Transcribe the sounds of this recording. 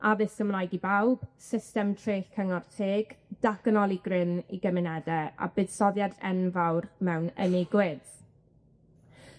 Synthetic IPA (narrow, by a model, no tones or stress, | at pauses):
aðɨsəmlˠajɡibawb̥sɪstɛmtʰreːɬkʰəŋɔrtʰeːɡ̥d̥aɡ̥nɔlˠiɡrɪniɡəmɪnɛdɛa̰bɨd̥sɔðjadɛnvawrmɛwnənɪɡwɪð̥